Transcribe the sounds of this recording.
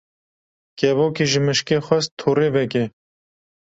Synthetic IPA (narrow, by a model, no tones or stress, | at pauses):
kɛvoːkiːʒɨmɨʃkeːxɛst̪ʰoːɾeːvɛkɛ